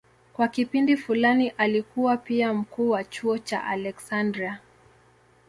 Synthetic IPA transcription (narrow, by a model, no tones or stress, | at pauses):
kwakipindifulaniʔalikuwapiam̩kuːwat͡ʃuɔt͡ʃa̰ʔa̰lɛksandɾia